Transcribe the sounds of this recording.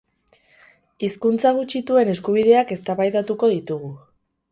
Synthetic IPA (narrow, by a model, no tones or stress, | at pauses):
iskunt͡saɣ̞ut͡ʃit̪ue̞ne̞skuβ̞ið̞e̞ake̞st̪aβajt̪at̪uko̞ðit̪uɣ̞u